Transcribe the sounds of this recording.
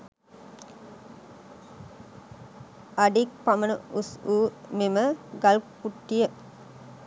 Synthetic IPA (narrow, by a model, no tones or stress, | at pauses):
aɖik̚pamənəusuːmeməɡalkpuʈːijə